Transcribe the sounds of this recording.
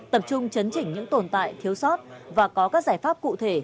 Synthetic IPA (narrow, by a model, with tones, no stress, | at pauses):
t̪ə˨˩p̚t͡ɕʊ˧ŋ͡mt͡ɕə˨˦nt͡ɕï˧˩ŋ̟ɲɨ̰˧˥ŋt̪o˨˩nt̪a̰ː˧˨jt̪ʰi˨˦əwsɔ˦˥t̚vaː˨˩kɔ˨˦kaː˦˥k̚zaː˧˩jfaː˦˥p̚kṵ˧˨t̪ʰe˧˩